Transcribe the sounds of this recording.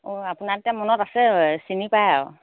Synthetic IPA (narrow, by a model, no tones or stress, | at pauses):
oapunaɹtiamɔnɔtasɛsinipajaw